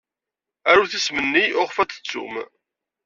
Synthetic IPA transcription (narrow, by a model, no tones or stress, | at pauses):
æɾuθismənːiʔʊʁfæt̪ə̥t͡sːṵm